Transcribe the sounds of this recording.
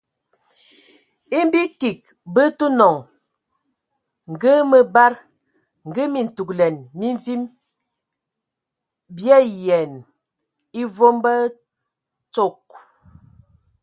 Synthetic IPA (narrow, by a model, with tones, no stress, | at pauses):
i˦m˦bi˦ki˨k̚ | bə˦tu˦nɔ˨ŋ | ŋ̩˨ɡə˦mə˦ba˦ɾ | ŋ̩˨ɡə˦mi˨n̩˨tu˨klɛ˨nmi˦ɱvi˦m | bjɛ˦jɛ˨n | i˦vo˦mbə˦ | t͡ʃo˦˨k̚